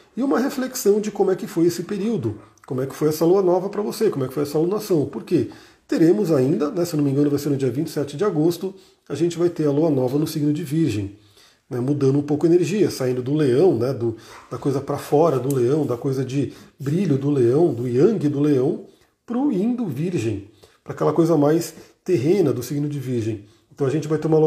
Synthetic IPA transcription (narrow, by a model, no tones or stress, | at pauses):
ɪũmɐɦefleksɐ̃w̃d͡ʒɪkõmʊɛkɪfojesɪpeɾiwd̪ʊ | kõmʊɛkɪ̥fojɛsɐluɐnɔvɐpɾɐvosekõmʊɛkɪ̥fojɛsɐalunasɐ̃w̃poɾke | t̪eɾẽmʊzaĩnd̪ɐnɛsenomĩɡɐ̃nʊvajseɾnʊd͡ʒiɐvĩnt͡ʃɪ̥sɛt͡ʃɪd͡ʒɪaɡost̪ʊ | aʒẽnt͡ʃɪvajt̪eɾɐluɐnɔvɐnʊsiɡnʊd͡ʒɪviɾʒẽj̃ | nɛmud̪ɐ̃nd̪ʊũpowkʊeneɾʒiɐsaĩnd̪ʊd̪ʊleɐ̃w̃nɛd̪ʊd̪̥ɐkojzɐpɾɐfɔɾɐd̪ʊleɐ̃w̃d̪ɐkojzɐd͡ʒɪbɾiʎʊd̪ʊleɐ̃w̃d̪ʊiɐ̃ɡɪd̪ʊleɐ̃w̃ | pɾʊĩnd̪ʊviɾʒẽj̃ | pɾɐakɛlɐkojzɐmajs | t̪eɦẽnɐd̪ʊsiɡnʊd͡ʒɪviɾʒẽj̃ | ẽnt̪ɐ̃w̃ɐʒẽnt͡ʃɪvajt̪ẽumɐlu